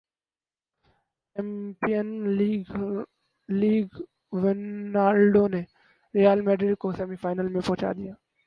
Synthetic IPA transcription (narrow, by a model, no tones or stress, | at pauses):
empiən | liːɡ | ʋeaːɾɖone | ɾijaːlmeːɖɾɪɖkoseːmifaːɪnəlmẽpɔ̃ɦt͡ʃa̰ːd̪ɪjaː